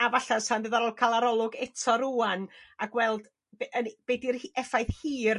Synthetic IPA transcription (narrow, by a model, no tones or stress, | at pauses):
avaɬasandðəðaɾɔlˠkʰalˠaɾɔlˠʊɡɛtʰɔɾuːanaɡwɛlˠd | bʔənb̥edirhɛfajθhiːr